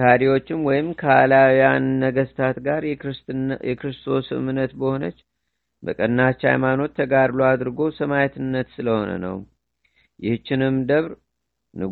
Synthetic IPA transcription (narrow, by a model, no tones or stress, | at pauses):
aɾiwo̞t͡ʃːɪmwɔjɪmkʰəalawjanːəɡəst̪ʰat̪ɡaɾ | jɛkɾɨst̪ʰo̞sɨmɨnːət̪bəho̞nət͡ʃː | bə̰kʼənːat͡ʃːa̰jmano̞t̪ʰːəɡaɾload̪ɾɨɡo̞səmajɛt̪ɨnːət̪sɨləho̞nə̰nə̰w | jɪht͡ʃːɪnɨmːd̪əβɾ | nɨ